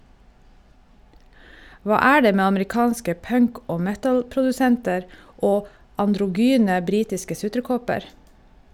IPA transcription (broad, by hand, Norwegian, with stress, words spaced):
ˈʋɑː ˈæː ˈɖeː ˈmeː ɑməɾɪˈkɑːnskə ˈpœŋk ˈoː ˈmɛtl̩pɾʊdʉˌsɛntəɾ ˈoː ɑndɾʊˈɡyːnə ˈbɾiːtɪskə ˈsʉtɾəˌkɔpəɾ